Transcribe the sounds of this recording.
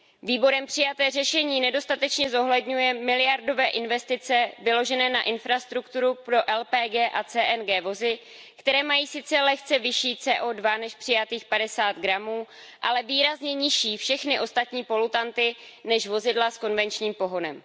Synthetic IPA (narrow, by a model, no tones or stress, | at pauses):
viːbo̞ɾɛmpr̝̥ɪjat̪ɛːrɛʃɛɲiːnɛdo̞st̪at̪ɛt͡ʃɲɛzo̞ɦlɛdɲujɛmɪlɪjaɾdo̞vɛːʔɪnvɛst̪ɪt͡sɛvɪlo̞ʒɛnɛːna̰ʔɪnfɾast̪ɾukt̪uɾupɾo̞ʔɛlpɛːɡɛːʔat͡sɛːʔɛnɡɛːvo̞zɪ | kt̪ɛɾɛːmajiːsɪt͡sɛlɛxt͡sɛvɪʃiːt͡sɛːʔo̞dvanɛʃpr̥ɪjat̪iːxpadɛsaːt̪ɡɾamuː | ʔalɛviːɾazɲɛɲɪʃiːfʃɛxnɪʔo̞st̪at̪ɲiːpo̞lut̪ant̪ɪnɛʃvo̞zɪdlasko̞nvɛnt͡ʃɲiːmpo̞ɦonɛm